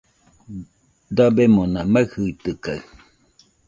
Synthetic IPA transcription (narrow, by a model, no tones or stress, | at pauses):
d̪abemonamahɯit̪ɯkaɯ